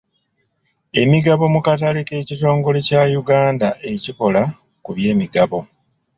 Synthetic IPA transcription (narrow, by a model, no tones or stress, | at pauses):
e̞miɡaβo̞mukatalike̞ːcito̞ːŋɡo̞lecajuɡaːndaʔe̞ciko̞la | kuβje̞ːmiɡaβo̞